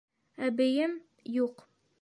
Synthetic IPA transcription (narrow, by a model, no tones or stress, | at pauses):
æbɘ̆jɘm | juq